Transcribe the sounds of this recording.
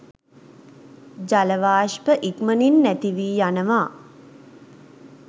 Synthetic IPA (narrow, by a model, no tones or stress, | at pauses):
d͡ʒaləʋaːʃpəʔikməninːæt̪iʋiːjanəʋaː